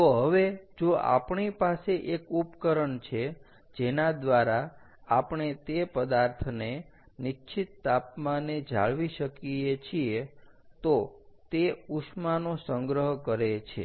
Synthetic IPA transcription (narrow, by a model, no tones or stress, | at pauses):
t̪oɦəʋed͡ʒoa̰pɳipaseʔekupkəɾəɳt͡ʃʰe | d͡ʒenad̪ʋaɾa | apɳet̪epəd̪aɾt̪ʰne | nit͡ʃʰit̪ːapmaned͡ʒa̰ɭʋiʃəkiet͡ʃʰie | t̪ot̪euʃmanosəŋɡɾəɦkəɾet͡ʃʰḛ